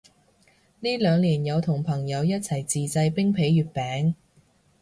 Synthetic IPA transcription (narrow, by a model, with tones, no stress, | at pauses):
niː˥lœː˨˧ŋliː˨˩njɐ˨˧wt̪ʰʊ˨˩ŋpʰɐ˨˩ŋjɐ˨˧wjɐ˥t̚t͡sʰɐ˨˩jt͡siː˨t͡sɐ˧jpɪ˥ŋpʰe˨˥jjyː˨˧t̚pɛː˨˥ŋ